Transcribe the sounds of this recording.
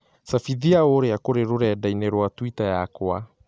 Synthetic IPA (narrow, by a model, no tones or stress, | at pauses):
safiðiaoɾeakoɾeɾoɾɛːdaineɾwatwitajakoa